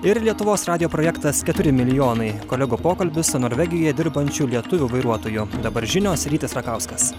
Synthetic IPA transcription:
ɪɾlʲiɛt̪ʊʋoːsɾɑːd̪ʲɪjoːpɾoːjɛkt̪ɐskʲɛt̪ʊɾʲɪmʲɪlʲɪjoːnɐɪkoːlʲɛɡʊpoːkɐlʲbʲɪsʊnoːɾʲʋʲɛɡʲɪjoːjɛd̪ʲɪɾbɐnʲt͡ʃʲulʲiɛt̪ʊʋʲuːʋɐɪɾuɔt̪oːjʊd̪ɐbɐɾʒʲɪnʲoːsɾʲiːt̪ʲɐsɾɐkɑˑʊskɐs

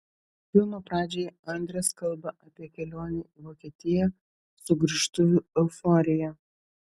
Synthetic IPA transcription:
pʲɪlˠnoːpɾɑːd͡ʒʲɛːjɛɐnʲd̪ɾɐskɐlˠbɐʔɐpʲiɛkʲɛlʲoːnʲɪʋoːkʲiɛt̪ʲɪjɛ | sʊɡɾʲɪʃt̪ʊʋʲuɛʊfɔːɾʲɪjɛ

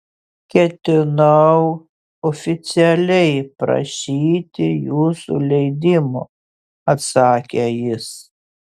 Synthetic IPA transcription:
kʲɛt̪ʲɪnɐʌʊ | ɔfʲɪt̪sʲɪɛlʲɛɪpɾɐ̰ʃʲiːt̪ʲɪjuːsṵlʲɛɪd̪ʲɪmʊ̰ | ɐt̪sɑːkʲejɪs

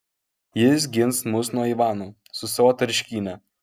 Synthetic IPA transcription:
jɪs̬ɡʲɪnˑsmʊsnuɔiːˑʋɑːnuː | sʊsɑʋoːt̪ɐɾʲʃʲkʲiːnʲɛ

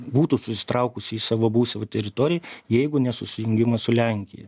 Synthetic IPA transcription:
buːt̪usʊsʲɪ̥t̪ɾɐʊkʊsʲɪisɑːʋoːbuːsʲɛʋoːt̪ʲɛɾʲɪt̪oːɾʲɪjɛjɛɪɡʊnʲɛsʊsʲɪjʊŋʲɡʲɪmɐsʊlʲɛŋʲkʲɪ̰jɛ̰

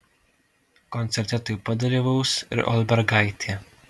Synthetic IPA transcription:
kɔnʲt̪sʲɛɾʲt̪ʲɛt̪ɐɪpɐd̪ɐlʲiʋɐʊsɪ̰ɾʔɔ̰lʲbʲɛɾɡaɪt̪ʲʰe

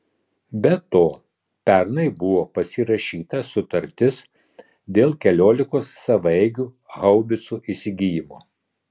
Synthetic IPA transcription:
bʲɛt̪oː | pʲɛɾnɐɪbʊʋoːpɐsʲiɾɐʃʲiːt̪ɐsʊt̪ɐɾʲt̪ʲɪs | d̪ʲeːlˠkʲɛlʲoːlʲɪkoːsːɐʋɐɪɡʲuː | ɣɐʊbʲɪt̪suːʔisʲɪɡʲɪjɪmoː

